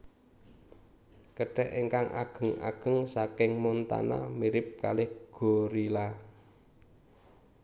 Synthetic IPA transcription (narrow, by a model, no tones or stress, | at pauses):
kəɖ̥ɛʔeŋkaŋʔa̰ɡ̥ə̤ŋa̰ɡ̥ə̤ŋsakɪŋmɔnt̪a̰na̰miɾɪp̚kalɪhɡ̥o̤ɾila